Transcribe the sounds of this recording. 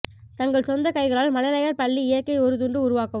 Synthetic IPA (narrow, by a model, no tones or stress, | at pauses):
t̪ɐŋɡɐɭsɔnd̪ɐkɐɪɣɐɭaːlmɐlɐlɐjɐɾpɐɭːiɪjɐɾkɐɪɔɾɯt̪̬ʊɳɖɯʊɾʊʋaːkɐ